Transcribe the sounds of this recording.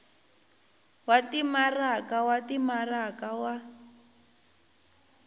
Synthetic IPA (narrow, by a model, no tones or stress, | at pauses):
watimarakawatimarakawa